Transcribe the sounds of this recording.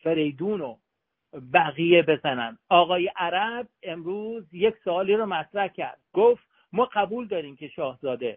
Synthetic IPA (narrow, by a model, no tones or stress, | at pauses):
fe̞ɾe̞jd̪uːno | bæɣije̞be̞zænænd̪ɒːɣɒːjeʔæɾæb̚e̞mɾuːzjeksoɒːliːɾɔmæt̪ɾæhcʰæ̰ɾd̪̥̚ɡ̥oft̪ | mɒːɢæbuːld̪ɒːɾiːmcʰe̞ʃɒːhzɒːd̪e